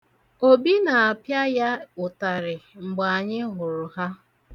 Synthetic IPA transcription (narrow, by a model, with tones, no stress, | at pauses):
o˦bi˦na˨a˨pja˦ja˦ʊ˨ta˨ɾɪ˨ŋ͡m̩˨ɡ͡ba˨a˨ɲɪ˦ɦʊ˨ɾʊ˨ɦa˦